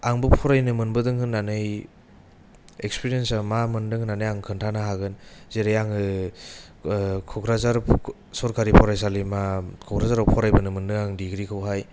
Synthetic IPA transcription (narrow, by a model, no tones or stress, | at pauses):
aŋbɯpʰɔɾajnɯmɯnbɯdɯŋhɯnːanɯj | ekspiɾijensamamɯndɯŋhɯnanɯjaŋkʰɯntʰanaɦaɡɯnzeɾejaŋɯ | kʰɔkʰɾazaɾp | sɔɾkʰaɾipʰɔɾajsalimakʰɔkʰɾazaɾɔpʰɔɾajbɯnɯmɯndɯŋaŋdiɡɾikʰɯwɦaj